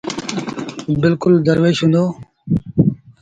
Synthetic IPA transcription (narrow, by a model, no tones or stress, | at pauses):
bɪlkʊld̪əɾʋeːʃɦʊ̃nd̪oː